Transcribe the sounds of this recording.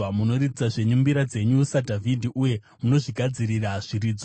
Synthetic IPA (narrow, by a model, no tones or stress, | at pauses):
muno̞ritit͡saʐe̞ɲumbiɾad͡ze̞ɲusadʱavidʱiʔuje̞ | muno̞ʐiɡʱad͡ziɾiraʐ̥iriːd͡zo